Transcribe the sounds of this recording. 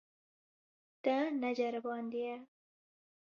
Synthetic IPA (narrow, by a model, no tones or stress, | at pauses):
t̪ənad͡ʒaɾbɑnd̪ija